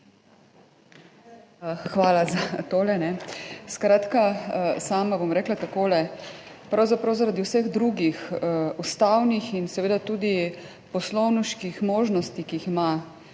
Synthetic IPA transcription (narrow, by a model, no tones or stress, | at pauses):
xʋaːlazat̪oːlɛnɛskɾaːt̪kasaːmabomɾɛːklat̪akoːlɛpɾawzapɾawzaɾad̪iwsɛɣd̪ɾuɡixust̪awnixinsɛʋeːd̪at̪uːd̪i | pɔslɔwnuʃkixmoːʒnɔst̪ikiixima